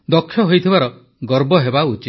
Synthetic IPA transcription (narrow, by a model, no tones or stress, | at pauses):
d̪ɔkʰːjɔɦojt̪ʰibaɾɔ | ɡɔɾbɔɦebaut͡ʃi